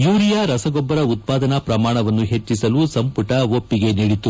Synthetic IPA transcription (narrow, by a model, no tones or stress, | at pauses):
juːɾijaɾɐsɐɡɔbːɐɾɐut̪̚paːd̪ɐnɐpɾɐmaːɳɐʋɐnːuɦe̞t͡ʃːisɐlusɐmpuʈɐopːiɡe̞niɽit̪u